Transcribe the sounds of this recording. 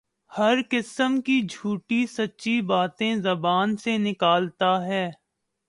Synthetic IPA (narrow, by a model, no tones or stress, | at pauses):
hɐɾkɪsəmkid͡ʒʱuːʈisɐtːʃibaːt̪ẽzɐbaːnsenɪkaːlt̪aɦɛː